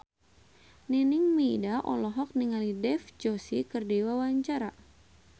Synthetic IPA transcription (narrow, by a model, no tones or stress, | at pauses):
ninɪŋmidaʔɔ̰lɔɦɔk̚niŋalidɛfd͡ʒosikɨrdiwawaɲt͡ʃaɾa